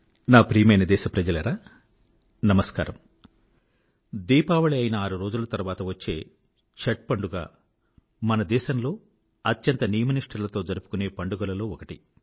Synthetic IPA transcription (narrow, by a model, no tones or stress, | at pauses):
naːpɾiːmɐjnɐd̪ɛːʃɐpɾɐd͡ʒɐlɐɾaː | nɐmɐska̰ːɾɐm | d̪iːpaːʋɐɭiɐjinɐaːɾuɾo̞ːd͡ʒulɐt̪ɐɾuʋaːt̪ɐʋɐt͡ʃːe̞̰ː | t͡ʃɐʈ̚pɐɳɖuɡa̰ː | mɐnɐd̪ɛːʃɐmlo̞ː | ɐt̪jɐnt̪ɐnijɐmɐniʂʈʰɐɾlɐt̪o̞ːd͡ʒɐɾupu̥kune̞ːpɐɳɖuɡɐlɐlo̞ːɔkɐʈi